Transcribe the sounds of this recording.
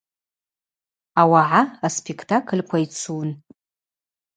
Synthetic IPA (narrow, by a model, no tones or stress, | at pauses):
awaʕaaspʰekʰtʰakʰɨlʲkʷʰait͡sʰun